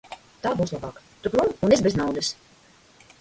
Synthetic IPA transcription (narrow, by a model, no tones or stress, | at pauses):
t̪aːbuːslˠabaːkt̪ukɾununesbʲeznawd̪ɨs